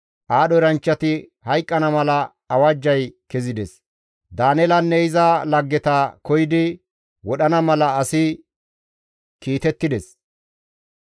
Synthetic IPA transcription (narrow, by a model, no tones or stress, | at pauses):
ʔaːɗɔɾɐnt͡ʃːɐt̪ɪhɐjkʼːɐnɐmɐlɐː | wɐd͡ʒːɐjkɛzɪd̪ɛs | d̪aːnɛlɐnːɛɪzɐlɐɡːɛt̪akɔjɪd̪ɪ | wɔɗɐnɐmɐlɐːsɪ | kiːt̪ɛt̪ːɪd̪ɛs